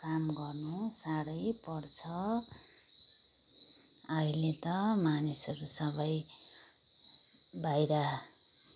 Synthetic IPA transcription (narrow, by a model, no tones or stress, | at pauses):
kamɡʌrnusaɾʌjpʌrt͡sʰʌ | ʌilet̪ʌmanisʌɾusʌbʌj | bʱajɾa